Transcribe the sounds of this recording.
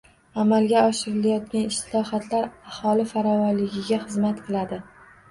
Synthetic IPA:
amalˠɡʲaɒʃɪɾɪlajɒt̪̚kʲanɪʃt̪ʰɪlɒhat̪ʰlaɾahɒlɪfaɾɒvɒnlɪɡʲɪɡʲaχɨzmat̪qʰɨlˠad̪ɪ

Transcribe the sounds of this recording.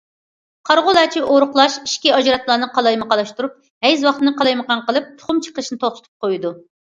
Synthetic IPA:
qʰɑɾʁʊlˠɑt͡ʃʰiʔoɾʊχlˠɑʃiʃkʲiɑd͡ʒɾɑt̪lˠɑːnɨqʰɑlˠɑjmɨqɑlˠɑʃt̪uɾup̚ | hɛjzwɑχt̪ɨnɨqɑlˠɑjməqɑnqəlˠɨp̚t̪ʰʊ̥χumt͡ʃʰə̥qəʃnɨt̪ʰolˠt̪ʰʊ̥t̪ʰu̥p̚qojud̪u

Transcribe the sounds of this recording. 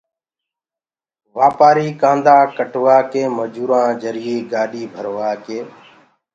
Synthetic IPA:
ʋaːpaːɾiːkãːnd̪aːkəʈʋaːkeːməd͡ʒuːɾãːd͡ʒəɾɪeːɡaːɗiːbʱəɾʋaːkeː

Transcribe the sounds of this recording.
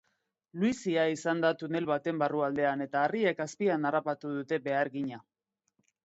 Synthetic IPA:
lwisiaisand̪at̪une̞lβat̪e̞mbaruald̪e̞ane̞t̪aːriekaspianarapat̪uð̞ut̪e̞be̞aɾɣiɲa

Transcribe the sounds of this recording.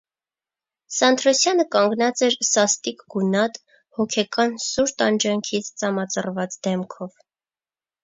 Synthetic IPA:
sɑnt̪ʰɾɔsjɑnəkɑŋɡnɑt͡sɛɾsɑst̪ikɡunɑt̪ | hɔkʰɛkɑnsuɾt̪ɑnd͡ʒɑŋkʰit͡sʰt͡sɑmɑt͡sərvɑt͡sd̪ɛmkʰɔv

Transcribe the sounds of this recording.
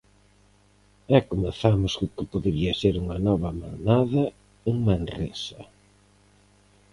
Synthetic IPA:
ɛkomeθamʊsʊkɪpoðeɾiɐseɾuŋɐnɔβɐma̰naðɐ | eŋmanrḛsɐ

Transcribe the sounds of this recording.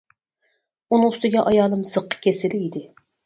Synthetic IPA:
unɨŋʊst̪ɪɡʲɛʔɑjɑːlˠɨmz̥ɨqʰːə̥kʲʰesɪlɪid̪ɪ

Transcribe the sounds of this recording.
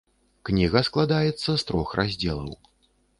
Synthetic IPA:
knʲiɣɐsklˠad̪ajɛt̪sːɐst̪ɾɔxrʔazʲd͡zʲɛlˠɐ̰w

